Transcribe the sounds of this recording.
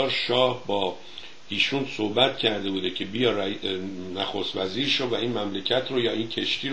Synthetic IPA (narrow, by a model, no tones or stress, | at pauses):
ɾʃɒːhbɒː | iːʃunsohbæt̪cʰæɾd̪e̞buːd̪e̞cʰe̞bijɒːɾ | næxost̪væziːɾʃovæiːnmæmle̞cʰæt̪ʰɾojɒːiːncʰe̞ʃt̪ʰiːɾ